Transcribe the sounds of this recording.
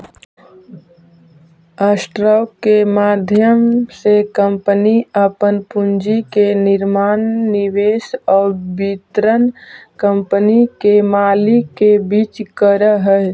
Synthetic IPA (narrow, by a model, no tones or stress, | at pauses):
asʈɾɔkemaːd̪ʱjəmsekə̃mpəniəpənpʊnd͡ʒikenɪɾmaːnːɪweːsɔːɾbit̪ɾənkə̃mpənikemaːlikebiːt͡ʃkəɾəɦɛː